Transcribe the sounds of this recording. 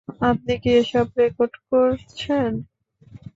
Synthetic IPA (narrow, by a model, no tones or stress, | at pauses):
ap̚nikieʃɔbɾekoɾɖkoɾt͡ɕʰen